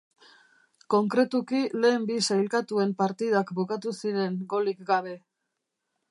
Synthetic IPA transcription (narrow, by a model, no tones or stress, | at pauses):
ko̞ŋkɾe̞t̪ukile̞ːmbisajlkat̪ue̞mpaɾt̪iðakbukat̪usiɾe̞ŋɡo̞likɡaβ̞e̞